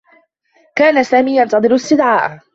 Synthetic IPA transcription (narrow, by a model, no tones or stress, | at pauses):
kaːnasaːmiːjɑnt̪ɑðˤɨɾst̪ɪd̪ʕaːʔ